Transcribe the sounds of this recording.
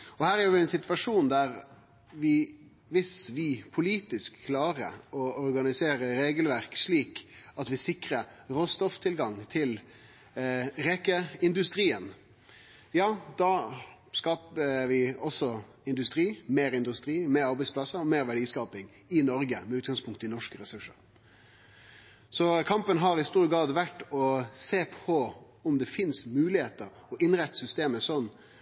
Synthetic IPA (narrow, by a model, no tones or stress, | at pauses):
ɔhæːɾæɾjʊʋɪɛnsɪt̪ʋɑʂuːnd̪æɾ | ʋɪ | ʋɪsʋɪpʰʊliːt̪ɪskʰːlɑːɾə̰ɔɔɾɡɑnɪseːɾəɾeːɡəlʋæɾkʂɭiːkɑt̪ʋɪsɪkɾəɾoːst̪ɔft̪ʰɪlɡɑŋt̪ʰɪl | ɾɛkəɪnd̪ʉst̪ɾiːən | jɑːd̪ɑ | skɑːpəʋɪɔsːɔ | ɪnd̪ʉst̪ɾiːmeːɾɪnd̪ʉst̪ɾiːmeːɾɑɾbɛɪtsplɑsəɾɔmeːɾʋæɖiːskɑːpɪŋ | ɪnɔɾɡəmɛʉːt̪ɡɑŋspʰʊŋkt̪ɪnɔʂkəɾɛsʉʂə̰ɾ | sɔkʰɑmpənɦɑɾɪst̪uːɾɡɾɑːd̪ʋæʈːɔseːpʰɔ | ʊmd̪ɛfɪnsmʉːlɪheːt̪əɾ | ɔʔɪnɾæt̪ːə̥sʏst̪eːməsɔnː